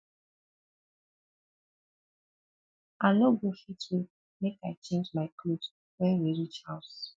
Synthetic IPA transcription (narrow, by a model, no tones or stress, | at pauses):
anoɡofitwi | mekaɪt͡ʃẽnd͡ʒmaɪklo | wɛ̃nwiɹit͡ʃhaʊs